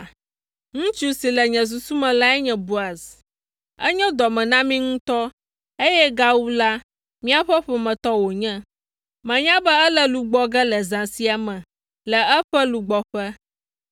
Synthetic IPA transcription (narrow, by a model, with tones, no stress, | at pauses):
ŋũ˦t͡ʃu˦si˨lɛ˨ɲɛ̃˨s̬u˨su˦mɛ̃˨la˦ɛ˦ɲɛ̃˨bu˦a˨z | ɛ̰˦ɲɛ̃˦d̪ɔ˨mɛ̃˨nã˦mĩ˦ŋũ˦t̪ɔ˦ | e˦jɛ˦ɡa˦wu˦la˦ | mĩ˦a˦ɸɛ˦ɸɛ˨mɛ̃˨t̪ɔ˦wo˨ɲɛ̃˦ | mɛ̃˨ɲã˦bɛ˦ɛ˦lɛ˦lu˨ɡ͡bɔ˦ɡɛ˦lɛ˨zã˨si˦a˨mɛ̃˨ | lɛ˨ɛ˦ɸɛ˦lu˨ɡ͡bɔ˨ɸɛ˦